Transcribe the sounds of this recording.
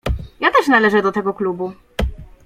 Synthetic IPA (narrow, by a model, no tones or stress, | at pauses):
jat̪ɛʂnalɛʐɛd̪ɔt̪ɛɡɔklubu